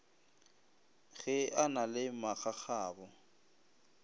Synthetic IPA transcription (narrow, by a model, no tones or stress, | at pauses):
ɣɛanalɪmaɣaχaːbɔ